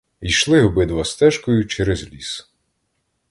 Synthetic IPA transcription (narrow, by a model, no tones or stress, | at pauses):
ijʃlˠɪɦɔbɪd̪ʋɐst̪ɛʃkɔjʊt͡ʃɛɾezlʲis